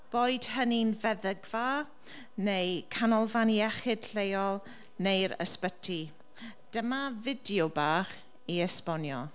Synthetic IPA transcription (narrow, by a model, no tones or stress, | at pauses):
b̥oːɨd̥həninvɛðəɡva | nejkʰanɔlˠvaniɛχɪd̥ɬejɔlˠ | nejɾə̰spətʰi | d̥əmavɪdjobaːχ | iəspɔnjɔ